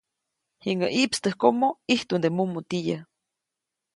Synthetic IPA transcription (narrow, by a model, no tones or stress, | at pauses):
hiŋɡaʔiʔpst̪əhkomoiht̪und̪emumut̪ija